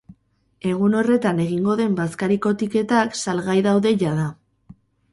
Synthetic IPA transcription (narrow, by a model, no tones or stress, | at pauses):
e̞ɣ̞uno̞re̞t̪ane̞ɣiŋɡo̞ðe̞mbaskaɾiko̞t̪ike̞t̪aksalɣajðawðe̞ʝað̞a